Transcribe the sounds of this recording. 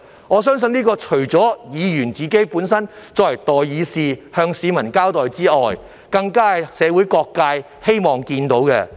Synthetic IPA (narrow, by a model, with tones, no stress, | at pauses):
ŋɔː˨˧˥s̬œː˥ŋs̬ɵ˧niː˥kɔː˧t͡ʃʰɵ˨˩ɥt͡sɔː˨˥jiː˨˧jyː˨˩nt͡siː˨ke˥jpuː˨˥nsɐ˥nt͡sɔː˧k̚lɐ˨˩jt̪ɔː˨˩jːiː˨˧siː˨˧hœː˧ŋsiː˨˧mɐ˨˩nkaː˥wt̪ɔː˨jt͡siː˥ɔː˨j | kɐ˧ŋkaː˥ɐ˨jsɛː˨˧wu˨˥jkɔː˧kːaː˧j | he˥jmɔː˨˩ŋkiː˧nt̪o˨˥wkɛ̰˧